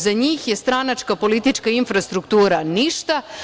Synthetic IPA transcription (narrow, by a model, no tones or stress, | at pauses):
zaɲiːxjest̪ɾanat͡ʃkapo̞lit̪it͡ʃkainfɾast̪ɾukt̪uːɾaniʃt̪a